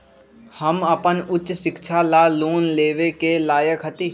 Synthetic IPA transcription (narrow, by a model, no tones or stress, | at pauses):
həməpənʊt͡ʃsɪkʃʰaːlaːloːnleːʋekeːlaːjəkɦət̪iː